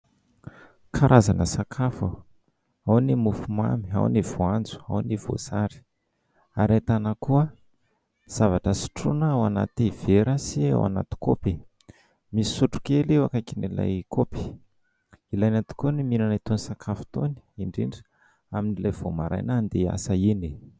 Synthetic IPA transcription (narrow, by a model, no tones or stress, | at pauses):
kʰaɾʔazanəsakʰafu | awnimufuma̰mia̰wniv̥oand͡zu̥a̰wnivo̰z̥aɾi̥ | aɾat̪anəkuə | z̥avaʈ͡ʂəsi̥ʈ͡ʂunaawana̰t̪iv̥eɾəsiḛwa̰na̰t̪i̥kopi | misi̥suʈ͡ʂu̥kelewakakinila̰jkopi̥ | ilajnat̪i̥koniminanait̪onisakʰafu̥t̪oni̥iɳɖ͡ʐiɳɖ͡ʐi̥ | aminilavomaɾa̰jnand̪ea̰səini